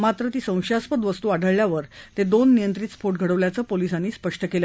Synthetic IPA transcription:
mat̪ɾət̪iːsə̃w̃ɕaspəd̪ʋəst̪uːaɽʱəɭljaʋəɾt̪ed̪onːijənt̪ɾiːt͡sfoʈ̚ɡʱəɽəʋljat͡səpolisanːiːspəʂʈəkel

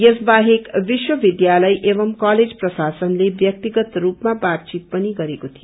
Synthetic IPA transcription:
jʌsbaɦekbiswʌbid̪jalʌjʔebʌmkaled͡zprʌsasʌnlebjʌk̚t̪iɡʌt̪rupmabat̪̚t͡sit̪̚pʌniɡʌɾekot̪ʰijo

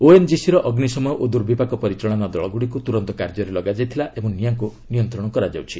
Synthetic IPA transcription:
oend͡ʒisiɾɔʔɔɡnisɔmɔjɔʔod̪uɾbipakɔpɔɾit͡ʃɾɔɽ̃anɔd̪ɔɭɔɡuɽikut̪uɾɔnt̪ɔkaɾd͡ʒɔɾelɔɡad͡ʒajt̪ʰilaʔemũnijaŋkunijɔnt̪ɾɔɽ̃ɔkɔɾad͡ʒawt͡ʃʰi

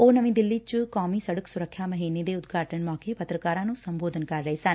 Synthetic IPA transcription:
oːnəʋĩːd̪ɪlːiːt͡ʃkaːmiːsəɽəksʊɾəkʰːjaːməɦiːneːd̪eːʊt̪ɡʱaːʈənmɔːkeːpət̪ɾəkaːɾãːnũːsəmboːd̪ənkəɾːəeːsən

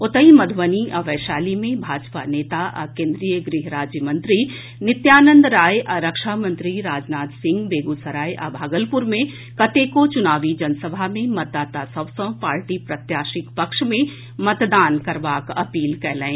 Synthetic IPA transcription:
ʊt̪əimɐd̪ʱʋəniʔɐʋɛːʃaːlimẽbʱaːd͡ʒpaneːt̪aʔɐ̰kẽːnd̪ɾijəɡɾiɦɾaːd͡ʒjəmə̃nt̪ɾi | nɪt̪jaːnə̃nd̪ɾaːjʔɐɾəkʃamə̃nt̪ɾiɾaːd͡ʒnaːt̪sɪ̃ŋɡbeːɡusɐɾaːjʔa̰bʱaːɡəlpʊɾmẽ | kɐt̪eːkot͡ʃʊnaːʋid͡ʒɐnsəbʱamẽmɐt̪̚d̪aːt̪asɐbsə̃paːɾʈipɾɐt̪jaːʃɪkpɐkʃmẽ | mɐt̪d̪aːnkɐɾʋaːkɐpiːlkɛːlɛ̃ː

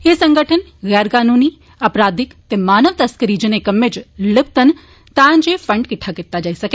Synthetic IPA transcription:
esɐ̃ŋɡʱəʈʰənɣɛːɾkaːnuːni | ɐpɾaːd̪ɪkt̪emaːnəʋt̪ɐskəɾid͡ʒɪnekɐmːed͡ʒlɪb̚t̪ən̆ | t̪ãːnd͡ʑefɐ̃ɳɖkɪʈʰakɪʈt̪ad͡ʒaːisɐke

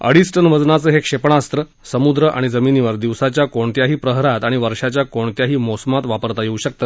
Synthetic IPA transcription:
ə̰ɽisʈənʋəd͡znat͡səːɦekʂepɳast̪ɾə | səmud̪ɾəʔa̰ɽ̃id͡zəminiʋəɾd̪iʋsat͡ɕjakoɳt̪jaɦiːpɾəɦɾat̪aɽ̃iʋəɾʂat͡ɕjakoɳt̪jaɦiːmɔsəmat̪ʋapəɾt̪ajeuɕək̚t̪ə

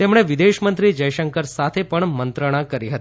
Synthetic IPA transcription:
t̪emɳ̃eʋid̪eʃmənt̪ɾid͡ʒəjʃəŋkəɾsat̪ʰepəɳmənt̪ɾəɽ̃ãkəɾiɦət̪i

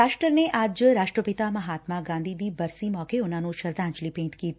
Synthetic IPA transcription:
aːʃʈɾəɾneʔaːd͡ʒɾaːʂʈɾəpit̪amɐɦaːt̪maɡãːnd̪ʱid̪ibɐɾsimɔːkeonaːnũʃɐɾd̪ʱãːɲd͡ʒlipẽːnt̪kiːt̪

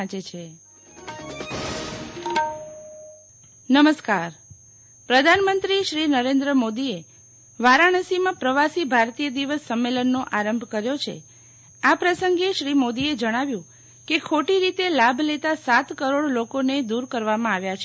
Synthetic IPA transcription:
at͡ʃet͡ʃʰe | nəməskaɾ | pɾəd̪ʱanmənt̪ɾiʃɾinəɾend̪ɾəmod̪ie | ʋaɾaɽ̃əsimãpɾəʋasibʱaɾt̪ijəd̪iʋəsːəmːelənːoʔaɾəmbʱkəɾjot͡ʃʰḛ | apɾəsəŋɡeʃɾimod̪ied͡ʒəɽ̃aʋjũ | kekʰoʈiɾit̪elabʱlet̪asat̪kəɾoɽlokoned̪uɾkəɾʋamãaʋjat͡ʃʰ

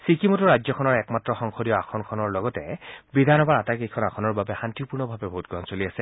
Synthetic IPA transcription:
sikimotuɹad͡ʒzɔkʰɔnɔɹɛkmatɹɔxɔŋxʰodiɔakʰɔnkʰɔnɔɹlɔɡɔtɛ̰bidʱanɔbaɹatakekʰɔnaxʰɔnɔɹbabɛxantipuɹnɔbʱabɛbʱoɦut̚ɡɔɦɔnsoliasɛ

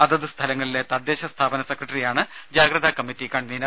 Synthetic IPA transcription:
ɐðɐðɨst̪ʰɐlɐŋːɐɭile̞t̪ɐd̪ːeːɕɐst̪ʰaːbɐnɐsɐkrɐʈɐrijaːɳɨd͡ʑaːɡɾɐðʱɐkɐmːitːikːaːɳninɐ

